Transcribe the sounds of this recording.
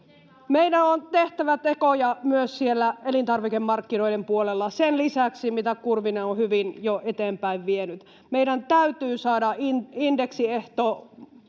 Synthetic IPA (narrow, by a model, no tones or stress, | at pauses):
meidænont̪eht̪æʋæt̪ekojɑmyøssielːæelint̪ɑrʋikemːɑrkːino̞idempuolelːɑsenlisæksimit̪ækurʋineohyʋinjoʔet̪eːmpæiʋʋienyt̪ | meiɾænt̪æyt̪yːsɑːdɑʔinindeksieht̪oː